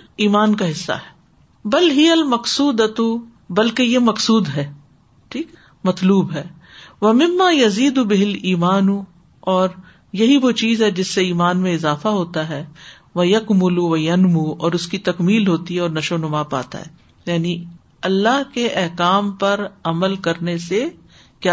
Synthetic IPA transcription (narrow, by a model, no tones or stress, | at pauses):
iːmaːnkaɦɪsːa̰ɦɛ̥ː | bɐlɦɪjɐlmɐqsuːd̪ɐt̪u | bɐlkejemɐqsuːd̪ɦɛː | ʈʰiːkː | mɐt̪luːbɦɛː | ʋɐmɪ̃mːaːjɐziːd̪ʊbɪɦɪliːmaːnu | ɔːɾ | jɐɦiʋoːt͡ʃiːzɦɛd͡ʒɪsːeiːmaːnmẽɪzaːfaɦoːt̪aɦɛː | ʋɐjɐkmʊluʋɐjɐnmuɔːɾʊskit̪ɐkmiːlɦoːt̪iɦɛɔːɾnɐʃoːnʊmapa̰ːt̪a̰ɦɛ̰ː | jaːni | ɐlːaɦkeʔɛɦkaːmpɐɾɐməlkɐɾnese | kjaː